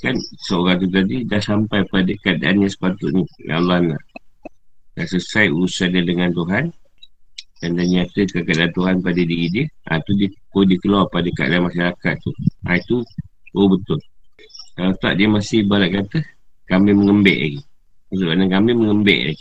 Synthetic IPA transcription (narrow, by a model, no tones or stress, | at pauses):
kansəoɾaŋt̪̬ut̪̬adidahsampajpadəkadaʔanɲãsə̥pat̪ʊt̪̚ɲija̰lɔana̰ʔ | dasəsajuusadadəŋant̪uɦan | dandaɲat̪əkakadaʔant̪uɦanpadədiɣidiəʔa̰t̪udikodikəluapadəka̰ʔlaamaʃaɾakat̪ːuait̪uobət̪ʊlkalat̪a̰ʔdiəmasɪhbalaʔkat̪əkamɪməŋəmbɛ̰ʔla̰ɡi | mat̪uʔkanakamɪməŋəmbɛ̰ʔla̰ɡi